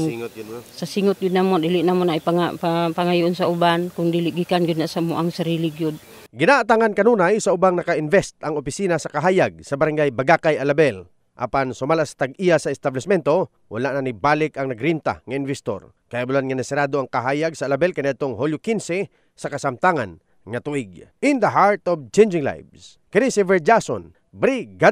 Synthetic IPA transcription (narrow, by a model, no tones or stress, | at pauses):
sasiŋʊt̪̚ɡʊd̪̚namod̪ilɪʔnamonaipaappaŋajuʔonsaʔubankʊŋd̪ilɪʔɡikanɡʊd̪nasamoʔaŋsaɾiːlɪɡjʊd̪̚ | ɡɪnaʔːt̪aŋankɐnunajsaʊbaŋnɐkaʔɪnvɛst̪ʔɐŋopɪsinasɐkaɦaːjaɡ̚sɐbaɾaŋɡajbaɡakajalabɛl | ʔa̰pansʊmalasḁt̪aɡijasɐɪst̪ablɛsmɛnt̪o̞ | wʔa̰laʔnanibalɪkɐŋnɐɡɾint̪a̰ŋɐɪnvɛst̪o̰ɾ | kɐjabʊlanŋɐnɛsɪɾaːd̪oaŋkaɦaːjaɡsaʔːlabɛlkanɪad̪̚t̪oŋholjʊkinsɛ | sɐkɐsamt̪aŋan | ŋɐt̪uʔɪɡ̚ʔɪnd̪ɐɦaɹt̪ɔvt͡ʃend͡ʒɪŋla̰jvs | kɐnisivɛɹd͡ʒaso̰n | bɾiɡa